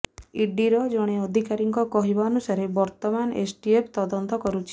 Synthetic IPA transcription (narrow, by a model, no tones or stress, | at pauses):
iɖiɾɔd͡ʒɔɽ̃eɔd̪ʱikaɾiŋkɔkɔɦibaɔnusaɾebɔɾt̪ɔmanḛsʈiepʰt̪ɔd̪ɔnt̪ɔkɔɾut͡ʃʰi̥